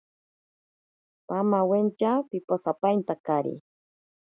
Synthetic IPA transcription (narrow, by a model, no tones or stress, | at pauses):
pamawent͡ʃapiposapajnt̪akaɾḭ